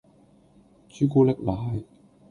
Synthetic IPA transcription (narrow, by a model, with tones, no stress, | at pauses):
t͡syː˨˥kuː˥lɪ˥k̚laː˨j